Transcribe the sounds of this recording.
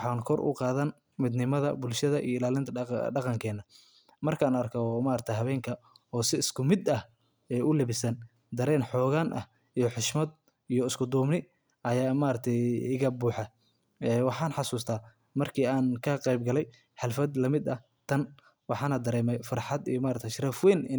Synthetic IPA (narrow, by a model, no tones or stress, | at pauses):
ħɑːnkʰɔrʔʊ̰qɑːðɐn | mɪd̪nɪmɐðɐ̰bʊlʃɐðɐʔḭjɔɪlaːlɪnt̪ʰɐɖɑqɑŋkʰɛːnːɐ | mɐrkʰaːnɐrkʰɐmaːɾɐk̚t̪ʰɐjɦɐβɛːŋkʰɐɔːsɪɪskʰʊmɪd̪ɐh | ɛːʔʊlɛβɪsɐn | d̪ɐɾɛːnħɔːɣaːnʔɐ̰h | ijɔħɪʃmɐd̪̚ | ijɔɪskʰʊd̪uːmnɪ | ʔɐjaːmaːɾɐt̪ʰɛjɪɣɐbuːħɑ | ɛːwɑħɑːnħɑsuːst̪ʰaː | mɐrkʰiːaːnkʰɐqɛjbɡɐlɛj | ħɑlfɐd̪lɐmɪd̪ɐ | t̪ʰɐn | wɑħɑːnɐd̪ɐɾɛːmɛjfɑɾħɑd̪ḭjɔmaːɾɐkt̪ʰɛʃɪɾɐfwɛːn